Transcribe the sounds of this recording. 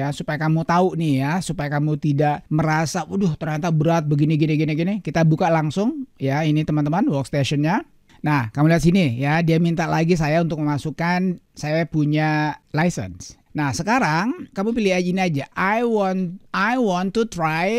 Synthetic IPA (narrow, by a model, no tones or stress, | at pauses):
asupajakamut̪aunɪjasupajakamut̪idaʔməɾasaudʊht̪əɾant̪abəɾat̪̚bəɡiniɡiniɡiniɡinikit̪abukalaŋsʊŋjainit̪əmant̪əmanwɔkst̪eʃɔnɲa | nahkamuliat̪sinijadiamint̪aʔlaɡis̬ajaunt̪ʊk̚məmasukansajapuɲalajsə̰ns | nahsəkaɾaŋkamupiliainiad͡ʒaʔajwɔnajwɔnt̪ut̪ɾaj